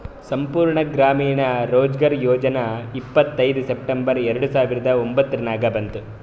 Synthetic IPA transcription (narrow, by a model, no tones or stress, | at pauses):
sɐmpuːɾɳɐɡɾaːmiːɳɐɾoːd͡ʒɡɐɾjɔːd͡ʒɐnɐipːɐt̪ːɐjd̪usep̚ʈembɐɾɛɾɐɽusaːʋiɾɐd̪ɐombɐt̪ːɐɾɐnaːɡɐbɐnt̪u